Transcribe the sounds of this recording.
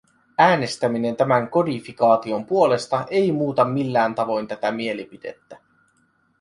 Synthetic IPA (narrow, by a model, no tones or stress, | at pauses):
æːne̞st̪æmine̞nt̪æmæŋko̞difikɑːt̪io̞mpuo̞le̞st̪ɑʔe̞jmuːt̪ɑmilːæːnt̪ɑʋo̞jnt̪æt̪æmie̞lipide̞̰t̪ːæ